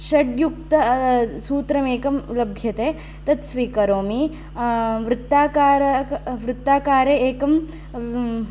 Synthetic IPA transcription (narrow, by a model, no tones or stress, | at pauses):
ʃɐɖjukt̪ɐsuːt̪ɾɐmeːkɐmlɐbʱjɐt̪eː | t̪ɐt̪sʋiːkɐɾoːmi | ʋɾɪt̪ːaːkaːɾɐʋɾɪt̪ːaːkaːɾeeːkɐm